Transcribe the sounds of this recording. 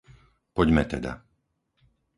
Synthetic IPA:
pɔɟmɛt̪ɛd̪a̰

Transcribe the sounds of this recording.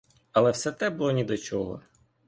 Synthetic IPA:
ɐlˠɛwsɛt̪ɛbulˠɔnʲid̪ɔt͡ʃɔɦɔ̰

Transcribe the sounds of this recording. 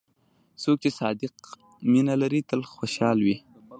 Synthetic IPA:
sok̚t͡ʃesɑd̪ɪq̚ | minalaɾit̪əlxwoʃɑlwi

